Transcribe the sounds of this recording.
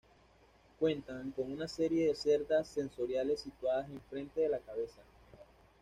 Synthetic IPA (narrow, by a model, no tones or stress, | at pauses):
kwe̞nt̪aŋko̞ŋunase̞ɾje̞ðe̞se̞ɾd̪asːe̞nso̞ɾjale̞sːit̪waðase̞ɱfɾe̞nt̪e̞ðe̞lakaβe̞sa